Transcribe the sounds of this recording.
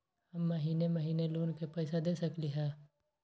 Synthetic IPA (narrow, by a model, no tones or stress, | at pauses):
hɐmːɐɦiːnemɐɦiːneloːnkepɛɪsad̪eːsɐkliɦɛ̃ː